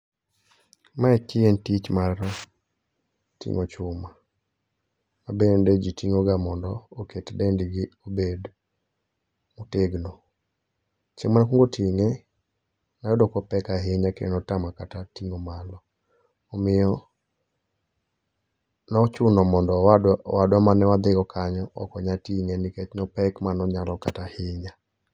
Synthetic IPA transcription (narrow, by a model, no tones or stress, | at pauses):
maɛkɪentit͡ʃmaɾ | tḭŋot͡ʃʊma | mabended͡ʒitiŋoɡamɔndɔoketdendiɡɪobed | muteɡnɔ | t͡ʃeŋmanakuŋɡotʰiŋe | najɔdɔkɔpɛkaɦɪɲakḛnɔtamakatatiŋomalɔ | ɔmɪjɔ | nɔt͡ʃʊnɔmɔndɔwadwamanɛwad̪ɪkɔkʰaɲɔɔ̰kɔɲatiŋenɪket͡ʃnɔpɛkmanɔɲalɔkatahɪɲa